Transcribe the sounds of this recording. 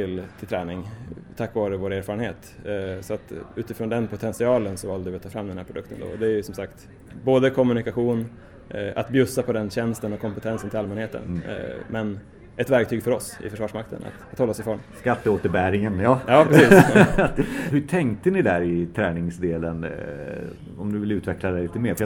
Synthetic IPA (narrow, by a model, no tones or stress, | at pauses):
t̪ɪlt̪ʰɪlt̪ʰɾɛːnɪŋt̪ʰakːvɑːɾəvoːɾeːɾfɑːɾənheːt̪ | sɔat̪ʉ̟ːt̪ɪfɾoːnd̪ɛnpʰʊt̪ʰɛnsɪɑːlənsɔvɑːld̪əvɪat̪ʰːɑːfɾamːd̪ɛnhæːɾpʰɾʊd̪ɵ̰kt̪ənd̪o̰ɔd̪ɛæɾjɵsɔmsakt̪ | boːd̪əkʰɔmɵnɪkaɧuːn | a̰t̪bjɵsːapʰɔd̪ɛnɕɛnst̪ənɔkʰːɔmpət̪ʰɛnsənt̪ʰɪlalmɛnheːt̪ə̰n̰mɛn | ɛt̪væɾk̚t̪ʰyːɡfœɾɔsɪ̰fœʂvɑːʂmak̚t̪ə̰na̰t̪at̪hɔlːasɪfɾɔɳskat̪ːəoːt̪əɾbæːɾɪŋənjɑːjɑːpʰɾɾɛsiː | hɵʈʰɛŋk̚t̪ənɪd̪æɾɪt̪ʰɾɛːnɪŋsd̪eːlən | ɔmd̪ɵvɪlʉt̪vɛklad̪ɛjliːt̪əmeːɾf